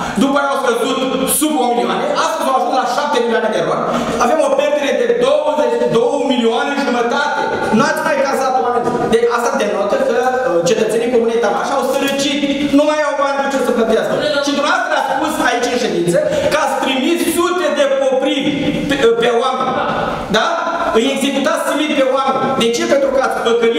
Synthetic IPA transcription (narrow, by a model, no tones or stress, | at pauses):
d̪upajawkɾəzut̪subauniwa̰neʔasumawakumaʃap̚t̪emilianad̪eɾoa̰n | avamopɾeɾt̪iɾed̪ed̪owəzet͡ʃd̪owəmilioaneʒumət̪at̪ḛ | nuat̪sʲmajkasat̪wamnz | d̪east̪ad̪enot̪əkət͡ʃet̪ət̪senikomunejt̪amaʃawsəɾət͡ʃit̪numajawand̪et͡ʃosəplət̪ijaskəʃid̪unast̪ɾeatspusait͡ʃɨnʃe̞d̪int̪səkəat̪sʲpɾimissut̪e̞d̪e̞po̞pɾivʲppeoamenʲ | d̪a | ɨje̞ɡze̞kut̪at̪səɾit̪pe̞oamenʲd̪e̞t͡ʃe̞pent̪ɾukəat̪sʲpəkəi